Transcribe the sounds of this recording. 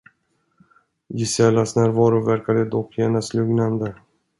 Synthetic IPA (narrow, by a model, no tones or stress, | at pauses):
jɪsɛlːasnæːɾvɑːɾʊvæɾkad̪əd̪ɔkʰːjeːnaslɵɡnand̪ə